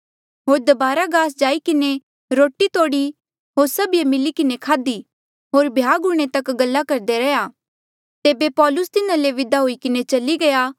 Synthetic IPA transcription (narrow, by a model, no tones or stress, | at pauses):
ɦoːɾd̪ɐbaːɾaɡaːs̬d͡ʒaːikɪne | ɾoːʈit̪oːɽi | ɦoːɾsɐbijemɪlikɪnekʰaːd̪i | ɦoːɾbʱjaːɡʊɽ̃et̪ɐkɡɐlːakɐɾd̪eɾɛjaː | t̪eːbepɔːlʊst̪ɪnãleʋɪd̪aɦoikɪnet͡ʃɐliɡɐjaː